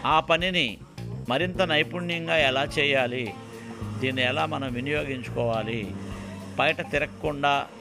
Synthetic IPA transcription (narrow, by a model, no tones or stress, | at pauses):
aːpɐnini | mɐɾint̪ɐnɐjpunjɐŋɡaːɛlaːt͡ʃɛːjaːli | d̪iːnːiɛlaːmɐnɐmʋinijo̞ːɡiɲt͡ʃu̥kɔːʋaːli | bɐjʈɐt̪iɾɐkːuɳɖaː